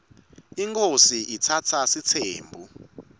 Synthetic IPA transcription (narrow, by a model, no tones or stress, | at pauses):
iŋkʰosiitʰat͡sʰasit͡sʰeːmbʱu